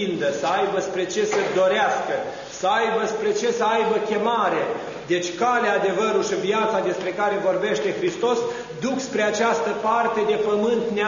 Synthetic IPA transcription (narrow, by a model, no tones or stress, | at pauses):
ind̪əsəajbəspɾe̞t͡ʃe̞səd̪o̞ɾeaskə | səajbəspɾe̞t͡ʃe̞səajbəkʲe̞maɾe̞ | d̪e̞t͡ʃʲkalead̪e̞vəɾulʃiviat̪sad̪e̞spɾe̞kaɾe̞vo̞rbe̞ʃt̪e̞xɾist̪o̞s | d̪ukspɾeat͡ʃast̪əpart̪e̞d̪e̞pəmɨnt̪ne